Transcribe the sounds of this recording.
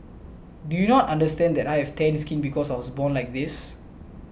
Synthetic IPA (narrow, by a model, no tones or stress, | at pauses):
dujunɔtãndəstɛ̃ndd̪ɛtajhɛvtɛ̃nskĩnbikɔsajwɔsbɔ̃nlajk̚d̪is